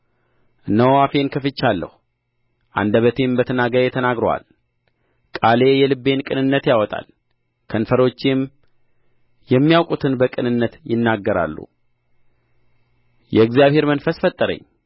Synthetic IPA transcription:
nəwafe̞nkʰəfɨt͡ʃːalːə̰hu | ʔa̰nd̪əβət̪ʰembət̪ʰənaɡəɾjɛt̪ʰənaɡɾəwa̰l | kʼale̞jɛlɨbːe̞nkʼɨnɨnːət̪jawɔt̪ʼa̰l | kʰənfəɾo̞t͡ʃːem | jɛmːijawkʼut̪ʰɨnbəkʼɨnɨnːət̪jɪnːaɡːəɾa̰lːṵ | jɛɨɡzijaβhe̞ɾmənfəsfət̪ʼːəɾə̰ɲː

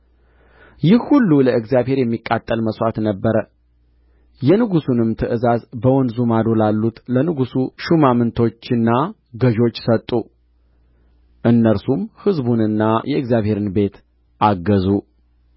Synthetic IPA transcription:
jɪhhulːuləɨɡzjaβhe̞ɾjɛmːikʼːat̪ʼːəlməsʔat̪nəbːəɾə | jɛnɨɡusunɨmt̪ʰɨʔɨzazbəwɔnzumad̪olalːut̪lənɨɡusuʃumamɨnt̪ʰo̞t͡ʃːɨnːa | ɡəʒo̞t͡ʃːsət̪ʼːu | ʔɨnːəɾsumhɨzbunɨnːajʔɛɨɡzjaβhe̞ɾɨnbe̞t̪ | ʔaɡːəzu

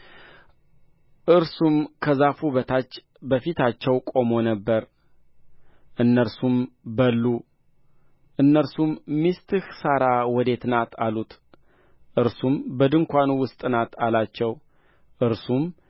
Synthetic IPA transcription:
ʔɨɾsumkʰəzafuβət̪ʰat͡ʃː | bəfit̪ʰat͡ʃːɛwkʼo̞mo̞nəbːəɾ | ʔɨnːəɾsumbəlːu | ʔɨnːəɾsumːist̪ʰɨhsəɾawɔd̪e̞t̪nat̪ʰalut̪ | ʔɨɾsumbəd̪ɨŋkʷanuwʊst̪ʼɨnat̪ʰalat͡ʃːɛw | ʔɨɾsum

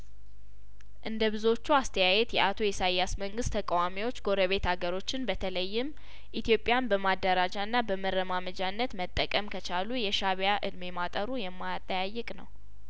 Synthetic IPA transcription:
ʔɨnd̪əβɨzo̞t͡ʃːuast̪ʰəjajɛt̪jɛʔat̪ʰo̞jɛsajːasməŋɡɨst̪ʰːəkʼawamiwo̞t͡ʃːɡo̞ɾəβe̞t̪haɡəɾo̞t͡ʃːɪnbət̪ʰələjːɪm | ʔit̪ʰjo̞pʼːɪjanbəmad̪ːəɾad͡ʒaɨnːabəməɾəmaməd͡ʒanːət̪mət̪ʼːəkʼəmkʰət͡ʃalujɛʃaβjaʔɨ̰d̪memat̪ʼəɾujɛmːajat̪ʼːəjajːɨkʼnəw

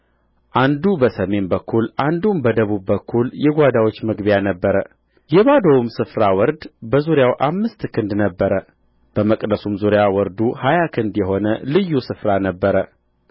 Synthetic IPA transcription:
ʔand̪ubəsəme̞nbəkʰːulʔand̪umbəd̪əβubːəkʰːuljɛɡʷad̪awo̞t͡ʃːmɨɡbjanəbːəɾə | jɛβad̪əwumsɨfɾawɔɾd̪bəzuɾjawʔamːɨst̪kʰɨnd̪nəbːəɾə | b̥əməkʼd̪əsumzuɾjawɔɾd̪uhajakʰɨnd̪jɛɦo̞nəlɨjːusɨfɾanəbːəɾə

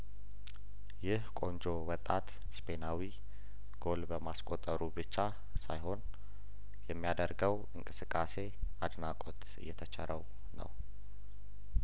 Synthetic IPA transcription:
jɪhkʼo̞nd͡ʒo̞wɔt̪ʼːat̪ | spʰe̞nawi | ɡ̥o̞lbəmaskʼot̪ʼːəɾubɨt͡ʃːa | sajɦo̞n | jɛmːijad̪əɾɡəw | ɨŋkʼɨsɨkʼːase̞ad̪nakʼot̪ | ɨ̰jːɛt̪ʰət͡ʃʰɛ̰ɾəw | nə̰w

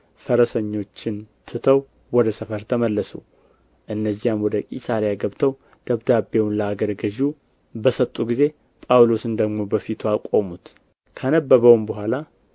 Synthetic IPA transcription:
fəɾəsəɲːo̞t͡ʃːɪnt̪ʰɨt̪ʰəw | wɔd̪əsəfəɾt̪ʰəməlːəsṵ | ʔɨnːəzːijamwɔd̪əkʼḭsaɾjaɡəβt̪ʰəw | d̪̥əβd̪abe̞wnləaɡəɾɡəʒu | bəsət̪ʼːuɡize̞ | pʼawlo̞sɨnd̪əɡmo̞bəfit̪ʰuakʼo̞mut̪ | kʰənəbːəβəwmbəɦʷala

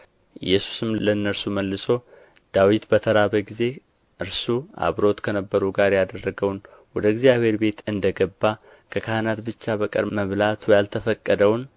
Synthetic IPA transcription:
ʔɪ̰jːɛsu̥sɨmlənːəɾsuməlːɨso̞ | d̪̥awit̪bət̪ʰəɾaβəɡize̞ | ʔɨɾsua̰βɾo̞t̪kʰənəbːəɾuɡaɾjad̪ərːəɡəwn | wɔd̪əɪɡzijaβhe̞ɾbe̞t̪ɨnd̪əɡəbːa | kʰəkʰahɨnat̪bɨt͡ʃːabəkʼə̰ɾməβlat̪ʰujalt̪ʰəfəkʼːəd̪əwn

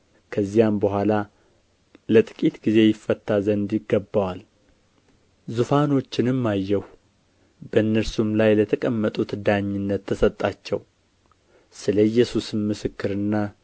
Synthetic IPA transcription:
kʰəzːijambəhʷala | lət̪ʼɨ̥kʼit̪ɡize̞jɪfːət̪ːazənd̪jɪɡːəbːawal | zufano̞t͡ʃːɪnɨmːajːɛh | bəɨnːəɾsumlajlət̪ʰəkʼəmːət̪ʼut̪d̪aɲːɪnːət̪ʰːəsət̪ʼːat͡ʃːɛw | sɨləjːɛsusɨnmɨsɨkːɨɾɨnːa

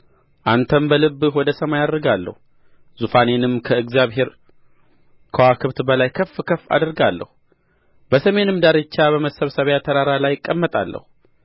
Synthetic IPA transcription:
ʔant̪ʰəmbəlɨbːwɔd̪əsəmajad̪əɾɡalːə̰hu | zufanenɨmkʰəɨɡzijaβhe̞ɾ | kʰəwakʰɨβt̪bəlajkʰəfːkʰəfːa̰d̪ɾɡalːə̰hu | bəsəme̞nɨmd̪aɾɪt͡ʃːabəməsəβsəβjat̪ʰəɾaɾalajɪkʼːəmːət̪ʼalːə̰hu

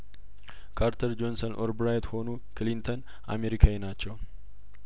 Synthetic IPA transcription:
kʰaɾt̪ʰɐɾd͡ʒonsɐnʔo̰ɾbɾajt̪ho̞nu | klint̪ʰon | ʔa̰meɾikʰaenat͡ʃːɛw

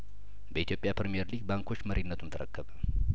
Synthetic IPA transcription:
bəit̪ʰjo̞pʼjapɾemijeɾliɡbaŋkʰo̞t͡ʃːməɾʔinːət̪ʰunt̪ʰəɾəkːəβə

